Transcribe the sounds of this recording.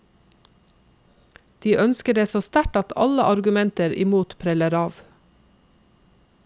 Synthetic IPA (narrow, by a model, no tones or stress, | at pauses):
d̪̥iːʔœnskəɖeːsoːst̪æʈɑt̪ʰɑ̰ləʔɑɾɡʉmɛnt̪əɾɪ̰muːt̪pʰɾɛləɾɑːʋ